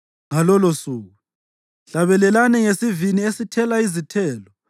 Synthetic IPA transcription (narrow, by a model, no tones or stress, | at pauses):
ŋalɔlosuːɣu | ɬaβɛlɛlanɛŋesiviniesitʰɛlaizitʰɛːlɔ